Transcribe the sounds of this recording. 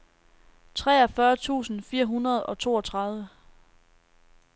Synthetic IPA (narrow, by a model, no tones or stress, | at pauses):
t͡sʰʁɛːɐfɶːɐt͡sʰṵːsn̩fiːɐɦunʁɐð̞̩ˠɒ̽t͡sʰo̝̰ːɒt͡sʰʁɑ̈ðˠʋə